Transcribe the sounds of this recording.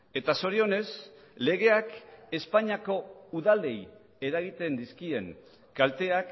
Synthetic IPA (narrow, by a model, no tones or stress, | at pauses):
e̞t̪aso̞ɾio̞ne̞s | le̞ɣe̞ake̞spaɲiako̞uðald̪e̞j | e̞ɾaɣ̞it̪e̞nd̪iskie̞ŋ | kalt̪e̞ak